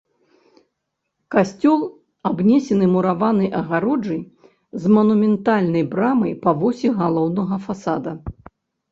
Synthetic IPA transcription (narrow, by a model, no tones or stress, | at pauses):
kasʲt͡sʲɔlˠ | abnʲɛsʲɛnɨmuɾavanɐjʔɐɣaɾɔd͡ʐɐj | zmɐnumʲɛnt̪alʲnɐjbɾamɐjpɐvɔsʲiɣalˠɔwnɐɣɐfasad̪ɐ